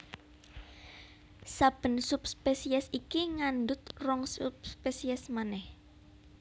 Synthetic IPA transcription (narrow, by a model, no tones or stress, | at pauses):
sab̥ə̤nsup̚spesiɛsikiŋand̪ʊt̪̚rɔŋsupspesiɛsmanɛh